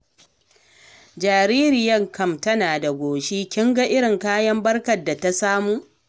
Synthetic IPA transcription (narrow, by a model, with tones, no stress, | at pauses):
d͡ʒaː˨ɾiː˦ɾɪ˨jɐ˦˨ŋkɐ˦˨mtɐ˦naː˨da˨ɡʷoː˨ʃiː˦kʲɪ˦ŋɡɐ˦ʔɪ˦ɽɪ˨ŋkaː˦jɐ˦mbɐ˦rkɐ˨dːa˨ta˦saː˦muː˦